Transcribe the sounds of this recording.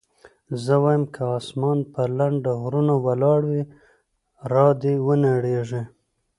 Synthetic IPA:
zəwɑjəmkʰaɑsmɑnpəlaɳɖaɦɾunawalɑɽwi | ɾɑd̪ewənaɽeʐe

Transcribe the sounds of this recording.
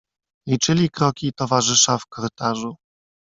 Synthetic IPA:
lʲit͡ʂɘlʲikɾɔkʲit̪ɔvaʐɘʂafkɔɾɘt̪aʐu

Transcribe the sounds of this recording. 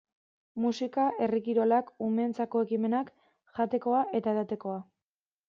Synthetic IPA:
musikaʔe̞rikiɾo̞lakume̞nt͡sako̞e̞kime̞nak | ʝat̪e̞ko̞aʔe̞t̪aeðat̪e̞ko̞a

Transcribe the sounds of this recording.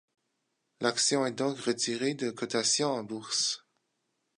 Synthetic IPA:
laksjɔ̃ɛd̪ɔ̃kʁət̪ʰiʁed̪əkʰɔt̪asjɔ̃ɑ̃buʁs

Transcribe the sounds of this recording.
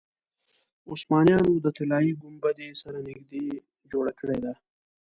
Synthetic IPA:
ʊsmɑːnjɑːnud̪ət̪ɪlaːiɡʊmbɐd̪esɐɾanɪɡd̪e | d͡ʒoːɽakʰɽed̪aː

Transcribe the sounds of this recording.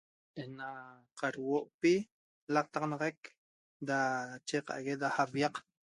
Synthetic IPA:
ʔena | qaɾwoʔpi | laq̚t̪ɑqnɑʁak | d̪at͡ʃeqa̰ʔɣed̪ahaβjɑq

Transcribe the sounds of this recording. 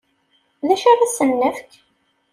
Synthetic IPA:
ðæʃaðæsənːəfk

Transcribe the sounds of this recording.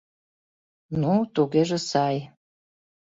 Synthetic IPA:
nut̪uɣeʒĕsɑj

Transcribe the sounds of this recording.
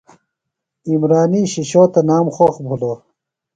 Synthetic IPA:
imɾaːniːɕiɕoːt̪ɐnaːmχoxbʱuloː

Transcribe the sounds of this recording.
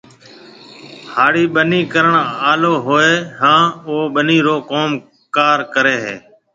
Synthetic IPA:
haːɽiːɓəniːkəɾəɳaːloːɦoːeːɦãːooːɓəniːɾoːkoːm | kaːɾkəɾeːɦeː

